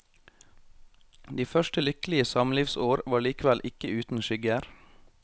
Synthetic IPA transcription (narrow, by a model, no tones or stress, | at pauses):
d̪iːfœʃʈəlʏkəlɪəsɑmliːʋsoːɾʋɑːɭiːkəʋælʔɪkəʉːt̪n̩ʃʏɡæɾ